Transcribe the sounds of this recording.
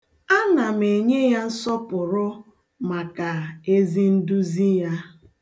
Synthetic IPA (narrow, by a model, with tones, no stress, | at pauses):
a˦na˨m̩˨e˨ɲe˦ja˦n̩˦sɔ˦pʊ˨ɾʊ˦ | ma˨ka˨e˦zi˦n̩˦du˦zi˦ja˦